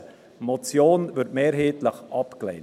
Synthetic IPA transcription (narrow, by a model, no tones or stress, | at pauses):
mɔt͡sjoːnvʏɾtmeːɾɦeːt̪ləχʔɑpklḛɪn